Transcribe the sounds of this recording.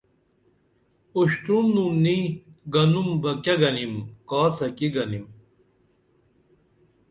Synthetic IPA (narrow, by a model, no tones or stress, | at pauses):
uɕʈunnumniɡɐnumbɐkeɡɐnimkaːsɐkiɡɐnim